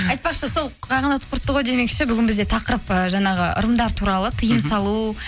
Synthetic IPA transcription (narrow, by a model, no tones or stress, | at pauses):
ɑjt̪̚pɑqʃəso̞lˠqʰɑjʁɑnɑt̪qʰʊɾt̪ːəʁojd̪e̞me̞kʃɪbʏɡʲɪnbɪzd̪et̪ʰɑqəɾəpəʒɑɴɑʁəʔʊ̰ɾəmd̪ɑɾt̪ʰuɾɑlˠət̪ʰəjəmsɑlˠu